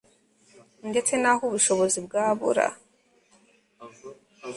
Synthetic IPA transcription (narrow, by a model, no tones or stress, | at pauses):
nde̞t͡senahuβuʃo̞βo̞zibɡaːβṵɾa̰